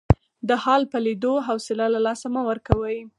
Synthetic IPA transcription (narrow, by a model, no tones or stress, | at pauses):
d̪əhɑlpəlid̪oɦawsɪlalalɑsamawəɾkawəj